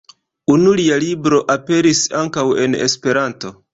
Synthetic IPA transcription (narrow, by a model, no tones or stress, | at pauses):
unulialibɾo̞ʔape̞ɾisaŋkawe̞ne̞̰spe̞ɾanto̞